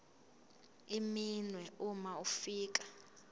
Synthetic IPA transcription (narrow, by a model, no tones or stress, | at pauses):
iminwɛumaufiːk̬ḁ